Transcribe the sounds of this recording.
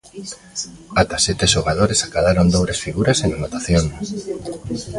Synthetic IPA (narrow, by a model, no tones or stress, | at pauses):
at̪asɛt̪eʃoɣ̞að̞oɾesakaðaɾond̪oβɾesfiɣuɾasenanot̪aθjoŋ